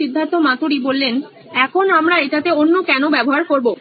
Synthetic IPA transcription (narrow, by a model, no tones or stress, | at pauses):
id̪ʱːant̪omat̪oɾibolːen | ɛkʰonamɾaeʈat̪eonːokɛnobɛboɦaɾkoɾbo